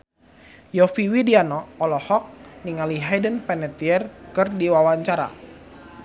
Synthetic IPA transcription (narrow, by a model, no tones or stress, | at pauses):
jɔfiwidianɔːlɔhɔk̚niŋaliɦajdənpɛnɛt̪iɛrkɨrdiwawaɲt͡ʃaɾa̰